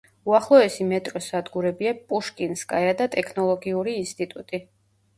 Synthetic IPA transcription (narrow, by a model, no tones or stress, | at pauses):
uaχlˠɔɛsimɛt̪ʼɾɔsad̪ɡuɾɛbiapʼuʃkʼinskʼajad̪at̪ʼɛkʰnɔlˠɔɡiuɾiːnst̪ʼit̪ʼut̪ʼi